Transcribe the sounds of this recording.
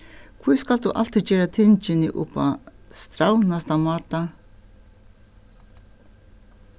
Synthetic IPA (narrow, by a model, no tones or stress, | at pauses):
kʰvuːskald̪uːʔa̰l̥t̪ʰɪd͡ʒeːɾat̪ʰɪnt͡ʃɪnɪʔʊ̰pa̰st̪ɾawnast̪amɑːt̪a